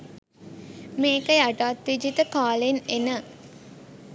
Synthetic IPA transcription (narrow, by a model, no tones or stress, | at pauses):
meːkəjaʈaːt̪ʋid͡ʒit̪əkaːlenenə